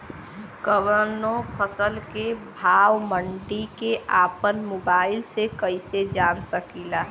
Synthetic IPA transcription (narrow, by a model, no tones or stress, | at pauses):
kəʋəɾnopʰəsəlkebʱaːwməɳɖikeʔaːpənmoːbaːɪlsekəɪsed͡ʒansəkila